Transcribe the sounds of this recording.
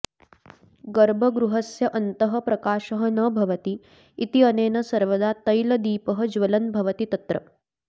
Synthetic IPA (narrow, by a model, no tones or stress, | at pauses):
ɡɐɾbʱɐɡɾuɦɐsjɐʔɐnt̪ɐɦɐpɾɐkaːʃɐɦɐnɐbʱɐʋɐt̪iː | t̪iɐneːnɐsɐɾʋɐd̪aːt̪ɐjlɐd̪iːpɐɦɐd͡ʒʋɐlɐnbʱɐʋɐt̪it̪ɐt̪ɾɐ̰